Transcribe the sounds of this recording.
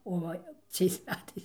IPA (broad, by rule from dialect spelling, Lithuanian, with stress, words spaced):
oː ˈʋɐ ˈt͡sʲɛɪs ˈmʲæːtɐɪs